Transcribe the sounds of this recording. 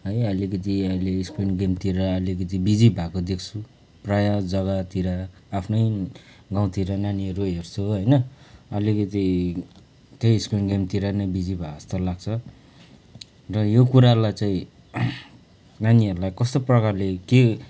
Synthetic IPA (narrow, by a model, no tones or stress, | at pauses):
ɦʌjʌlikʌt̪̬iʌileːskinɡemt̪iɾaːlik̬ʌt̪ibid͡zibʱakod̪ek̚ʰt͡sʰu | prajad͡zʌɡat̪iɾaː | pʰnʌj | ɡaw̃t̪iɾananiʌɾuɦert͡sʰuɦʌjnʌʌlikʌt̪i | t̪ʌjiskinɡemt̪iɾanʌbid͡zibʱaʌst̪ʌlaɡ̚t͡sʰʌ | rʌjokuɾalajt͡saĩ | naniʌɾulajkʌst̪oprʌkarleke